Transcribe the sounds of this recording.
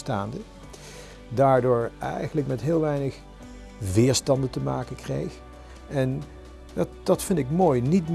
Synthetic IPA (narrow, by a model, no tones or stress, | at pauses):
staːndə | daːɹdʊːɹɛ̰jχənləkmɛtɦɪːlˠʋɛjnəχ | ʋɪːɹstɑndəntəmaːkənkrḛjx | ɛn | dd̥ɑtfɪndɪkmoːjnitm